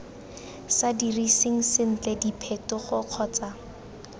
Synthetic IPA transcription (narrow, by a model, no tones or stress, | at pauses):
sadirisɪŋ̩sɪn̩t͡ɬɛdipʰetʊχʊq͡χʰɔːt͡sa